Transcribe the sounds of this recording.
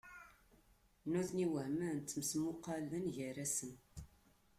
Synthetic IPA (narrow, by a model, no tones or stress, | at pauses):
nuθniwəhmænt͡s̪ːəmsmʊqːɑlənʝəræsən